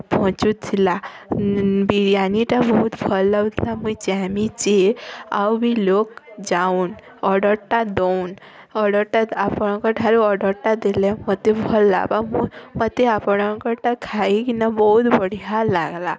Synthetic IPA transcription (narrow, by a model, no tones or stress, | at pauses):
pɔɦɔ̃t͡ʃut̪ʰːila | biɽijaniʈabɔɦut̪bʱɔlːat̪ʰilamuit͡ʃamit͡ʃea̰wbʱilokd͡ʒaun | ɔɖəɾʈad̪oun | ɔɽəɾʈaapɔɽ̃ɔ̃kɔʈʰaluɔɖəɾʈad̪elemɔt̪ebʱɔlːa̰bamumət̪eapɔɽ̃ɔ̃kɔʈakʰaikinabɔɦut̪bəɽ̤ijalaɡla